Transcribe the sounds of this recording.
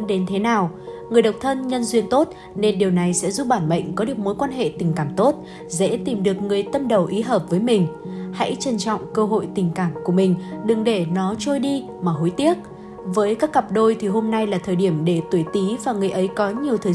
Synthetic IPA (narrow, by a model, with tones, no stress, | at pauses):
ɗe˨˦nt̪ʰe˨˦naː˨˩w | ŋɨ˨˩əjɗə˨˩wk͡p̚t̪ʰə˧nɲə˧nzwi˧ənt̪o˦˥t̚ | ne˧nɗi˨˩əwna˨˩jsɛ̰˧˥zu˦˥p̚ɓaː˧˩nɓə̰˧˨jŋ̟kɔ˨˦ɗɨ˨˩ək̚mo˨˦jkwaː˧nɦḛ˧˨t̪ï˨˩ŋ̟kaː˧˩mt̪o˦˥t̚ | zɛ̰˧˥t̪i˨˩mɗɨ˨˩ək̚ŋɨ˨˩əjt̪ə˧mɗə˨˩wʔi˨˦ɦəː˨˩p̚vəː˨˦jmï˨˩ŋ̟ha̰˧˥jt͡ɕə˧nt͡ɕɔ̰˧˨wŋ͡mkəː˧ɦo̰˧˨jt̪ï˨˩ŋ̟kaː˧˩mku˧˩əmï˨˩ŋ̟ɗɨ˨˩ŋɗe˧˩nɔ˨˦t͡ɕo˧jɗi˧ | maː˨˩ɦo˨˦jt̪i˦˥ək̚ | vəː˨˦jkaː˦˥kːə˨˩p̚ɗo˧jt̪ʰi˨˩ɦo˧mna˧jlaː˨˩t̪ʰəː˨˩jɗi˧˩əmɗe˧˩t̪wjt̪i˨˦vaː˨˩ŋɨ˨˩əjʔə˨˦jkɔ˨˦ɲi˨˩əwt̪ʰəː˨˩